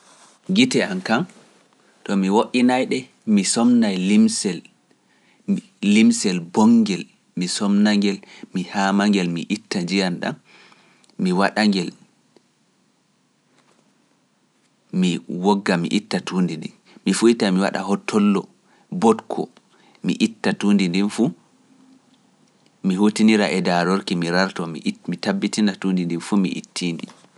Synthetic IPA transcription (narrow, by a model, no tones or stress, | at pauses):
ɡitɛankan | tɔmiwoʔinajɗɛ | misɔmnajlimsɛl | imsɛlbɔŋɡɛl | misɔmnaŋɡɛlmihamaŋɡɛlmiʔitːad͡ʒijanɗa̰n | miwaɗaŋɡɛl | miwɔɡːamḭʔitːatʰuːndindi | mifuitamiwa̰ɗa̰hɔtʰːɔlːɔ | bɔtkʰɔ̰ | mḭʔitːatuːndindinfu | mihutiniɾaʔɛdaɾɔɾkimiɾaɾtɔmḭʔmitabːitinatundindinfumḭʔḭtʰːiːndi